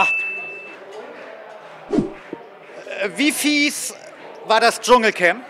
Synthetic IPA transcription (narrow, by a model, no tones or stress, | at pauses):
viːfiːs | vaːɐdasd͡ʒʊŋl̩kʰɛmp